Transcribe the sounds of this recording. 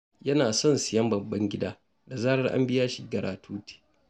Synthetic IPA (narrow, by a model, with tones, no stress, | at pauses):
jɐ˦naː˨sɔ˦nsɪ˨jɐ˦mbɐ˨bːɐ˦ŋɡʲɪ˦daː˦ | da˨zaː˦ɾɐ˦rʔa̰˦mbɪ˦jaː˦ʃi˦˨ɡɐ˨ɽaː˨tʰuː˦tʰe̥ː˨